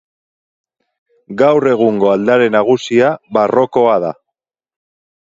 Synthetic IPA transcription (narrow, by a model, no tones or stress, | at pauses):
ɡawre̞ɣ̞uŋɡo̞ald̪aɾe̞naɣ̞usiaβaro̞ko̞aða̰